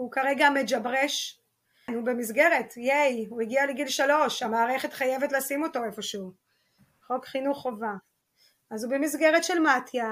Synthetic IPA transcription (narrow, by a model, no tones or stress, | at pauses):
ukaʁe̞ɡamed͡ʒabʁeʃ | nube̞misɡe̞ʁetjejuiɡialeɡilʃalo̞ʃamaːʁe̞χe̞t̪χajevetlaasimo̞to̞e̞fo̞ʃeu | χo̞kχinuχova | ʔazubemisɡe̞ʁetʃelmatʰja